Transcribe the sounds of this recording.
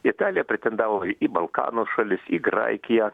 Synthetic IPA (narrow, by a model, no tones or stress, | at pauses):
ɪt̪ɑːlʲɪjɛpʲɾʲɛt̪ʲɛnd̪ɑːʋoibɐlˠkɑ̰ːnoːʃɐlʲɪsiːɡɾɐ̰ɪkʲɪjɛ